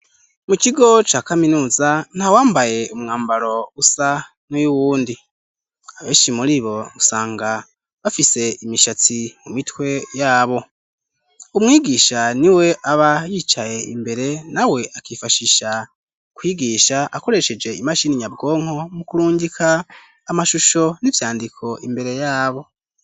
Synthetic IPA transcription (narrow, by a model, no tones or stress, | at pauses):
mukiɡo̞t͡ʃaːkaminuːzan̥hawaːmbaje̞umŋaːmbaɾo̞usa | nujuwuːndi | aβe̞ːʃimuɾiβo̞usaːŋɡa | βafise̞imiʃat͡simumitwe̞jaːβo̞ | umŋiːɡiːʃaniwe̞ʔaβajiːt͡ʃaje̞ḭmbe̞ɾe̞nawe̞ʔakiːfaʃiʃa | kwiːɡiːʃaʔako̞ɾe̞ʃe̞d͡ʒe̞imaʃiniɲabɡo̞ːŋ̥ho̞mukuɾuːɲɟikʰaː | maʃuʃo̞nivjaːndikʰo̞ʔimbe̞ɾe̞jaːβo̞